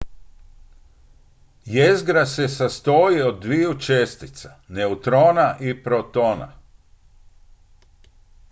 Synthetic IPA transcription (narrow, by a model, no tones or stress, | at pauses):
jezɡɾase̞sast̪oːjiod̪̚ːʋijut͡ʃest̪it̪sḁneut̪ɾo̞ːnaʔipɾot̪o̞ːna̰